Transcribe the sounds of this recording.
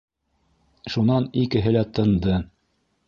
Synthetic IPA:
ʃunɑnikɘ̆ɦɘlæt̪ɤ̆nd̪ɤ

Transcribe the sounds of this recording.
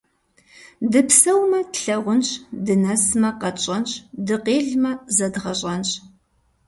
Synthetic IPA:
dɨpsɐwmɐtɬɐʁʷʊnɕdɨnɐsmɐqɐt͡ʃʼɐnɕʼdɨqeːɮmɐzɐdʁɐɕʼɐnɕʼ

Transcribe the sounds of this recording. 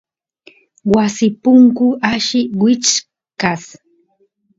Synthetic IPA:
wasɪpʊŋkʊʔaʃɪwɪt͡ʃ | kas

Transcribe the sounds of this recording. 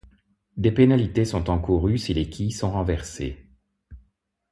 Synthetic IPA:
d̪epenalit̪esɔ̃t̪ɑ̃kuʁysilekʰʲisɔ̃ʁɑ̃vɛʁsḛ

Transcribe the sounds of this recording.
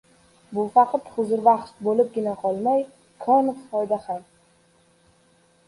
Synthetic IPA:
bʊfɑqʰɑt̪hʊzɪɾvɑχt̪bolɪp̚ɡʲɪnaqʰɒlˠmaj | kʰanffɒjd̪aham

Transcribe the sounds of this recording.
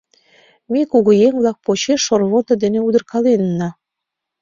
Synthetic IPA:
mekoɣojeŋβlˠɑk̚pot͡ɕeʃːorβot̪ɤ̆d̪eneud̪ə̆rkɑlenːɑ

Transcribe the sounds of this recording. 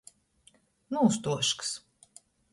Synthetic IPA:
nuːst̪uɔʃks

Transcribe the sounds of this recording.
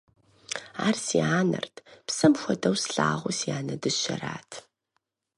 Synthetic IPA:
aːrsiaːnɐ̰rtʰpsɐmxʷɔdɐwsɬaːʁʷʊsijaːnɐdɨʃɐɾaːtʰ

